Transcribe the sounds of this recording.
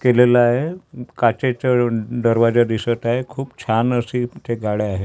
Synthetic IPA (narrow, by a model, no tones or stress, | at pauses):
kelelaɦekat͡ɕet͡ɕad̪əɾʋad͡zad̪isət̪aɦekʰuːpt͡ɕʰanəsit̪eɡaɭeaɦe